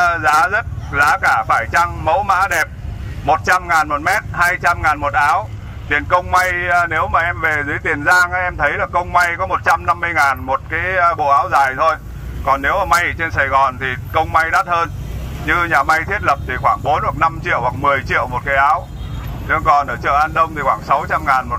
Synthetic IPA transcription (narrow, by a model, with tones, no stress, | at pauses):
zaː˨˦zə˦˥t̚zaː˨˦kaː˧˩faː˧˩jt͡ɕa˧ŋmə˨˦wma̰ː˨˥ɗɛ˨˩p̚mo˨˩t̚t͡ɕa˧mŋaː˨˩nmo˨˩t̚mɛ˦˥t̚haː˧jt͡ɕa˧mŋaː˨˩nmo˨˩t̚ʔaː˨˦w | t̪i˨˩ənkə˧wŋ͡mma˧jne˨˦wmaː˨˩ʔɛ˧mve˨˩zɨ˨˦əjt̪i˨˩ənzaː˧ŋʔa˧ʔɛ˧mt̪ʰə˨˦jlaː˨˩kə˧wŋ͡mma˧jkɔ˨˦mo˨˩t̚t͡ɕa˧mna˧mːɨ˧əjŋaː˨˩nmo˨˩t̚kaː˨˦jɓo̰˧˨ʔaː˨˦wzaː˨˩jt̪ʰo˧j | kɔ˨˩nːe˨˦wʔəː˧˩ma˧jt͡ɕe˧nsaː˨˩jɣɔ˨˩nt̪ʰi˨˩kə˧wŋ͡mma˧jɗaː˦˥t̚həː˧n | ɲɨ˧ɲaː˨˩ma˧jt̪ʰi˦˥ət̚lə˨˩p̚t̪ʰi˨˩xwaː˧˩ŋɓo˨˦nhwa˨˩k̚na˧mt͡ɕḭ˧˨əwhwa˨˩k̚mɨ˨˩əjt͡ɕḭ˧˨əwmo˨˩t̚kaː˨˦jʔaː˨˦w | ɗɨ˨˧ŋkɔ˨˩nʔəː˧˩t͡ɕə̰ː˧˨˩ʔaː˧nɗə˧wŋ͡mt̪ʰi˨˩xwaː˧˩ŋsa˨˦wt͡ɕa˧mŋaː˨˩nmo˨˩